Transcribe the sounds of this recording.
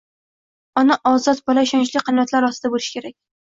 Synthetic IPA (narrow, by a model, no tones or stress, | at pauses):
ɒnaʔɒzɒt̪̚bɒlaɪʃɒnt͡ʃlɪqʰɨnjat̪laɾɒst̪ɪd̪abolɪʃkʲʰe̞ɾakʲ